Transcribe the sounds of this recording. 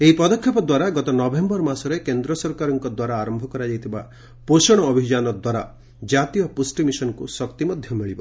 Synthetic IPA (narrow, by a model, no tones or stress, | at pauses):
eɦipɔd̪ɔkʰjɔpɔd̪waɾaɡɔt̪ɔnɔbʱembɔɾmasɔɾekend̪ɾɔsɔɾkaɾɔŋkɔd̪waɾaːɾɔmbʱɔkɔɾad͡ʒajt̪ʰiba | posɔɽ̃ɔːbʱid͡ʒanɔd̪waɾa̰ | d͡ʒat̪ijɔpusʈimisɔnɔkusɔkt̪imɔd̪ʱjɔmiɭibɔ